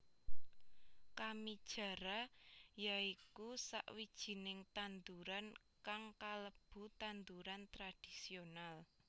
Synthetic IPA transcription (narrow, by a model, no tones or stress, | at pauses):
kamid̥ʒ̥a̤ɾajaikusa̰ʔwid̥ʒ̥i̤nɪŋt̪and̪uɾan | kaŋkaləb̥ṳt̪and̪uɾant̪ɾad̥isional